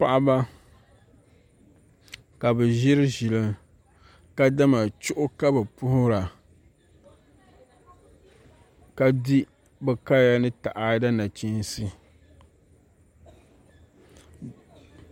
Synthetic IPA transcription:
pa˦ʔa˦ba˦ | ka˨bɛ˨ʒɪ˦ɾɨ˦ʒɪ˨lɨ˦ | ka˦da˦ma˨t͡ʃʊ˦ʔʊ˦ka˦bɛ˨pʊ˦hʊ˦ɾa˨ | ka˦di˦ | bɛ˨ka˦ja˦nɨ˦ta˨ʔa˨da˦na˨t͡ʃi˦n˦si˦

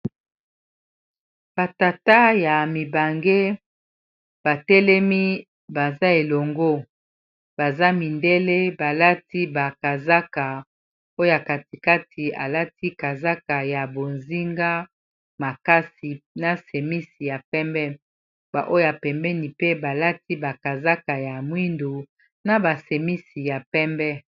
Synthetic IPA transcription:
b̥a˨ta˨ta˦ja˨mi˨ba˨ŋɡe˦ | b̥a˨tɛ˦lɛ˦mi˦ | ba˨za˦e˨lo˨ŋɡo˦ | b̥a˨za˦mi˨nde˦le˦ba˨la˦ti˦ba˨ka˨za˦ka˨ | o˦o˦a˨ka˨ti˨ka˦tʰi˨a̰˨la˦ti˦ka˨za˦ka˨ja˨bo˨nzi˦ŋɡa˦ | ma˨ka˦si˨na˦se˨mi˦si˨ja˨pɛ˦mbɛ˦ | ba̰˨ʔo˦ja˨pɛ˨mbɛ˦ni˨pe˦ba˨la˦ti˦ba˨ka˨za˦ka˨ja˨mwi˦ndo˨ | na˨ba˨se˨mi˦si˨ja˨pɛ˦mbɛ˦

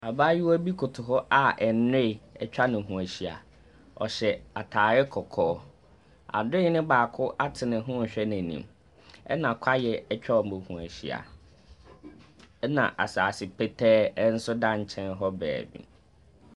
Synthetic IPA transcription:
a˨baː˦jɪ˦wɔ˦bi˦kʰʊ˨tʰʊ˨ɦɔ˦ʔa˦ʔɛ˨n˦e˦˨ɛ˦t͡ɕᶣa˦nʊ̃˨ɦũ˨æ˨ɕi˨a̰˨ | ɔ̰˨ɕɛ˨a˨tʰaː˨ɾɛ˦kʰɔ˨kʰɔː˦ | a̰˨dʊ˦ɪ˦nɪ̃˦baː˨kʰʊ˦ʔa˦tʰɪ˨nɪ̃˨ɦʊ̃˦˨ɕᶣɛ˦næ̃˨nḭ̃˨m | ɛ̰˦nã˨kʰa˦jɛ˨ɛ˦t͡ɕᶣa˦ɔ˨m˨bʊ̃˨hũ˨æ̰˨ɕḭ˨a̰˨ | ɛ˦nã̰˨ʔa˨saː˨sɪ˨pʰɛ˦tʰɛː˦n̩˦sʊ˦dã˦ɲ˨t͡ɕʰɛ̃˦nɦɔ˦bɛ̰ː˨bḭ̃˨

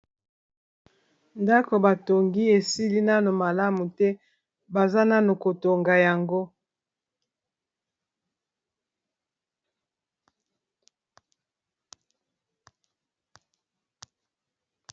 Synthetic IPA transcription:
nda˦ko˨ba˨to˨ŋɡi˦e˨si˦li˦na˦no˨ma˨la˦mu˨tɛ˦ | ba˨za˦na˦no˨ko˨to˨ŋɡa˨ja˨ŋɡo˦

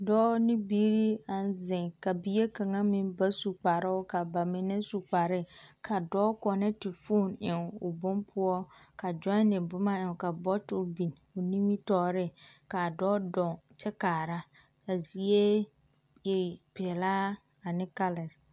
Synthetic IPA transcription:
dɔː˦nɪ˦biː˦ɾi˦a˨n˦zɪ̃˨ŋka˨bi˦e˦ka˨ŋa˦mĩ˦mba˦su˨k͡pa˨ɾɪ˦ʊ˦ka˨ba˨mɪ˨nɪ˦su˨k͡pa˨ɾɪ˦kʰa˨dɔː˦kɔ˨nɪ˦tɪ˨fo˦˨nɪ˨ŋʊ˨bʊ˦mpʰʊ˦ɔ˦ka˨d͡ʒɔ˦nɪ˨bʊ˦ma˦ɪ˨ŋ˨ka˨bɔ˦tʊ˦bi˨n | ʊ˨nĩ˦mi˦tɔː˦ɾɪ˦ka˨dɔː˦dɔ˨ŋt͡ʃɛ˦kaː˨ɾa˦ | ka˨zi˨e˦ | jɪ˨pɛ˨laː˦ | a˨nɪ˦ka˦lɛ˨s

